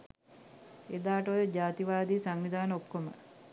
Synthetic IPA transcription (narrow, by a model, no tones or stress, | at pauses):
ed̪aːʈəojod͡ʒaːt̪iʋaːd̪iːsaŋʋid̪aːnəokːomə̰